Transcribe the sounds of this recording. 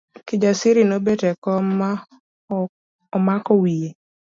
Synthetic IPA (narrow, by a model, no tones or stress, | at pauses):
kɪd͡ʒasɪɾɪnobetɛkɔma | ɔmakɔwije